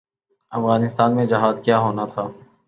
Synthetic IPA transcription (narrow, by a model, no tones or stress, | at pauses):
ɐfɣaːnɪst̪aːnmẽd͡ʒɐɦaːdkjaːɦoːnat̪ʰaː